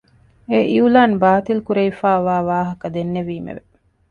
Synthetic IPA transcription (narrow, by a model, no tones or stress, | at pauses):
eʔiulaːnbaːt̪ilkuɾeifaːʋaːʋaːɦɐkɐd̪enːeʋiːmḛʋe